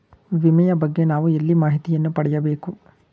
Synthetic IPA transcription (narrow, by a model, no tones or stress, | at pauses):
ʋimɐjɐbɐɡːe̞naːʋuelːimaːɦit̪ijɐnːupɐɽɛjɐbe̞ːku